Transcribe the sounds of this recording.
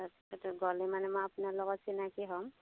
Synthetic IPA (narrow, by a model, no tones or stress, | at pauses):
tɡɔlɛmanɛmɔjapunaɹlɔɡɔtsinakiɦɔm